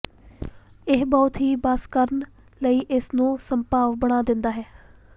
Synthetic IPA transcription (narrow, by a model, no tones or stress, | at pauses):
ɪɦbɔːʊt̪ɦiːbaːskəɾn | ləiːʔɪsnũːsəmpaːʋbəɽ̃aːd̪ɪnd̪aːɦɛː